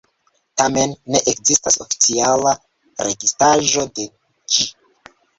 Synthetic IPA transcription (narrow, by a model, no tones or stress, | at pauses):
tame̞nːe̞ʔekzistaso̞̰fi̥t͡siala | ɾʔe̞̰ɡistaʒo̞de̞ | d͡ʒi